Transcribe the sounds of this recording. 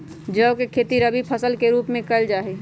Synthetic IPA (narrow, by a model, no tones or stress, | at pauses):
d͡ʒəkekʰeːt̪iɾəbʱipʰəsəlkeɾuːpmẽkəld͡ʒaːɦe